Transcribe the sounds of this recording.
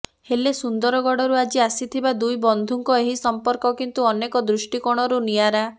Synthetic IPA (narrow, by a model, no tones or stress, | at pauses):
helesund̪ɔɾɔɡɔɽɔɾuad͡ʒiasit̪ʰibad̪ujbɔnd̪ʱuŋkɔeɦisɔmpɔɾkɔkint̪uɔnekɔd̪ɾusʈikɔɽ̃ɔɾuniaɾa